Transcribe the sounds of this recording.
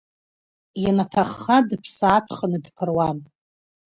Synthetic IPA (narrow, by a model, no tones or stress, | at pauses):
janatʰaχːadɨpʰsaːpʰχənɨdpʰɨrwan